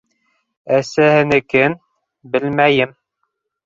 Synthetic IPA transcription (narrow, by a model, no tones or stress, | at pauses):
æsæhɘ̆nɘ̆kɘn | bɘlmæjɘm